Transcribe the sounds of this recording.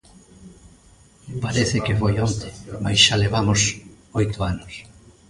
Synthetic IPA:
paɾeθɪkefojont̪emajsʃaleβamos | ojt̪ʊanʊs

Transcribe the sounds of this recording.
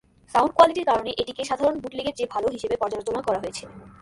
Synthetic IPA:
sawnɖ̚koaliʈiɾkaɾoneʔeʈikeʃad̪ʱaɾonbʱuʈliɡeɾd͡ʑebʱaloɦiʃebepɔɾd͡ʑaɾd͡ʑonakɔɾaɦojet͡ɕʰe

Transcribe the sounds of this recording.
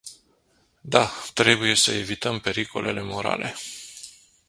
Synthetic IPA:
d̪at̪ɾe̞buje̞səe̞vit̪əmpe̞ɾikʰo̞̰lʔe̞̰le̞mo̞ɾa̰lʔe̞̰

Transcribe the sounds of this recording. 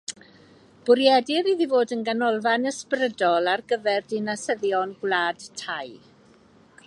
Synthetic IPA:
b̥ʊɾjɛdɪɾiðivoːdənɡanɔlˠvanəsprədɔlˠarɡəvɛrdɪnasəðjɔnɡwlˠaːd̥tʰaj

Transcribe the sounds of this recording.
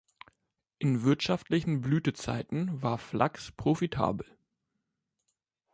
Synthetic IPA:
ʔɪnvɪɐtʃaftlɪçn̩blyːtət͡sa̰ɪtn̩vaːɐflʔa̰kspʁ̥ofitʰa̰ːbl̩

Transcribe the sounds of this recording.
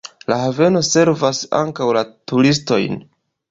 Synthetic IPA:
lahave̞no̞se̞ɾvasa̰ŋkawlatuɾisto̞̰jn

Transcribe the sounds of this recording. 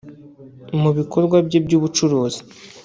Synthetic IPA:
muβikʰo̞ɾɡwabɟebɟuːβut͡ʃuɾoːzi̥

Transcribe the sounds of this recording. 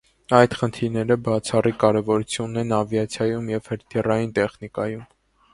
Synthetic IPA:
ɑjd̪χənt̪ʰiɾnɛɾəbɑt͡sʰɑrikɑɾɛvɔɾut͡sʰjunːɛnɑvjɑt͡sʰjɑjumjɛvhəɾt̪ʰirɑjint̪ɛχnikɑjum

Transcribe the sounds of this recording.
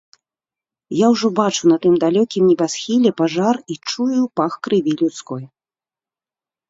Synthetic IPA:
jawʐɔbat͡ʂunɐt̪ɨmd̪alʲɔkʲimnʲɛbʲasxʲilʲɛpaʐarit͡ʂujupaxkɾɨvʲilʲut̪skɔj

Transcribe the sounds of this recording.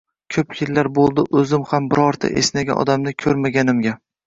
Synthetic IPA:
kʲʰɵpjɪlːaɾbolˠd̪ɪʔɵzɪmhambɪɾɒɾt̪ʰa̰ʔesnaɡʲa̰ʔɒ̰d̪amnɪkʲʰɵɾmaɡʲanɪmɡʲa

